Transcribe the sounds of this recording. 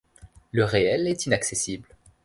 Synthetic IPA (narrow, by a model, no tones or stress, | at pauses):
ləʁeɛlɛt̪inaksesibl